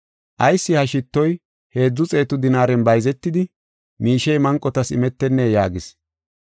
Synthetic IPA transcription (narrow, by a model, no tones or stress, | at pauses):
ʔɐjsːɪhɐʃɪt̪ːɔj | he̞ːd͡zːʊt͡sʼe̞ːt̪ʊd̪ɪnaːɾɛnbɐjzɛt̪ːɪd̪ɪ | miːʃɛjmɐŋkʼːɔt̪ɐsɪ̰mɛt̪ːɛnːejaːɡɪs